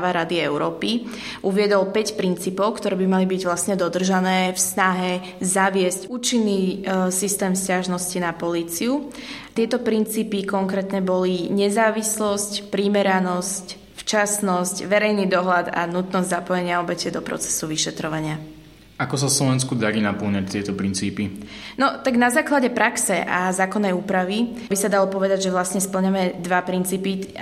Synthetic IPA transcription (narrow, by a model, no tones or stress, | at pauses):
ʋaɾad̪iɛʊɾɔːpi | ʔuʋɪɛd̪ɔlpɛcpɾint͡siːpɔʊkt̪ɔɾɛːbimalibiɟʋlasɲɛd̪ɔd̪r̩ʒanɛːfsnaɦɛ | zaʋɪɛscuːt͡ʃinːiːsist̪ɛːmscaʒnɔscinapɔliːt͡siu | t̪ɪɛt̪ɔpɾint͡siːpikɔŋkɾɛːt̪nɛbɔliɲɛzaːʋislɔscpɾimɛɾanɔsc | ft͡ʃasnɔscʋɛɾɛjniːd̪ɔɦlad̪a̰nut̪nɔzɟzapɔjɛɲɪaɔbɛcɛd̪ɔpɾɔ̰t͡sɛ̥suʋiʃɛt̪ɾɔʋaɲɪa | ʔakɔsafslɔʋɛnskud̪aɾinapəlɲac̚t̪ɪɛt̪ɔpɾint͡siːpi | nɔt̪aɡnazaːklaɟɛpɾaksɛʔazaːkɔnːɛjuːpɾaʋi | bisad̪alɔpɔʋɛd̪aɟʒɛʋlasɲɛspl̩ɲamɛd̪ʋapɾint͡siːpi